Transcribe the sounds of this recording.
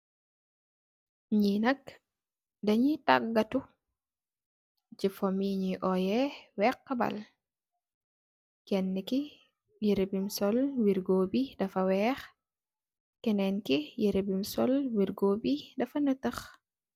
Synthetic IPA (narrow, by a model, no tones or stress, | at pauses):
ɲinɐk | dɐɲita̰k̚ɡɐtu | t͡ʃifɔmiɲiʔɔjɛwɛkːɐbɐ̰l | kɛnːɛki | jiɾebimsɔlwiɾɡoːbidɐfɐwɛːx | kɛnɛnkijiɾebimsɔlwiɾɡoːbidɐfɐnɐtɐx